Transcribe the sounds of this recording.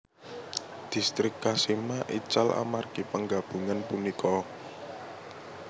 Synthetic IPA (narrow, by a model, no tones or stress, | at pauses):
d̪̥i̤st̪ɾɪkːasimaʔḭt͡ʃalʔa̰marɡ̥ipəŋɡab̥ṳŋanpunikʰɔ